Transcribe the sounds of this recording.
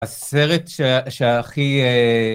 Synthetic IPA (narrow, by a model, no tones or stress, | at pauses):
aseʁetʃeʃeaχie